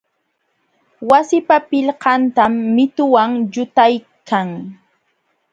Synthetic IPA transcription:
wasɪpapɪʎqɑnt̪amːɪt̪ʊwaŋʎʊt̪aj | kʰaŋ

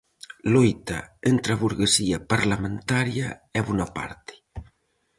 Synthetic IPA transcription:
lɔjt̪a̰ent̪ɾaβuɾɣesiapaɾlamẽnt̪aɾjaɛβunapa̰ɾt̪ɪ̥

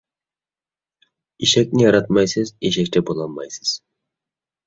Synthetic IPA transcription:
iʃek̚nɪjɑɾɑt̪mɑjsɨzeʃek̚t̪ebolˠɑnmɑjsɯ̥z̥

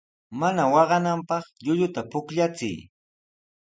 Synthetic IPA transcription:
manawɑɢɑnampɑχʎʊʎʊt̪apʊkʎat͡sɪ̰j

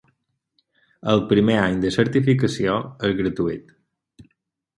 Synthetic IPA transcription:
əlˠpɾimeaɲd̪əsəɾt̪ifikəsioəzɣɾət̪uit̪

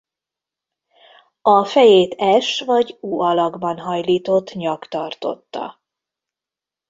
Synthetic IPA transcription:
ɒfɛjeːt̪ɛʃvɒɟuːɒlɒɡbɒnɦɒjliːt̪o̞t̪ːɲɒkt̪ɒrt̪o̞̰t̪ːɒ̰

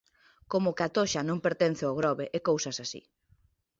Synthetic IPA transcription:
komʊkat̪oʃanõŋpeɾt̪en̟θɪoɣɾɔβeʔekowsasasḭ

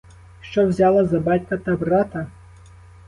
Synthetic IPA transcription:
ʃt͡ʃɔwzʲalˠɐzɐbatʲkɐt̪ɐbrat̪ɐ

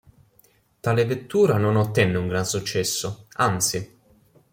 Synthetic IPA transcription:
t̪aːlɪvet̪ːuːɾanonot̪ːɛnːɪuŋɡɾansut͡ʃːɛsːʊant̪si

